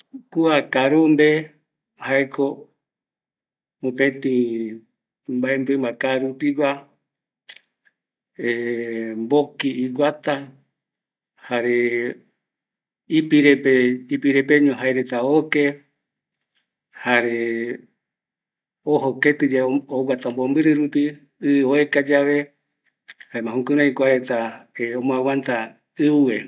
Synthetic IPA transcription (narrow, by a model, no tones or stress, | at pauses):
kuakaɾumbe | haeko | mõpẽt̪ĩ | mbaembɨmakaɾupiwa | embokiːwʷat̪a | haɾe | ipiɾepeipiɾepe̞ɲõɦaeɾe̞t̪aoke̞ | haɾe | oɦoket̪ɨd͡ʒaowʷat̪ambombɨɾɨɾupi | ɨoekad͡ʒaβe̞ | haemãhũkɨɾãikʷaɾe̞t̪aeomõawant̪a | ɨue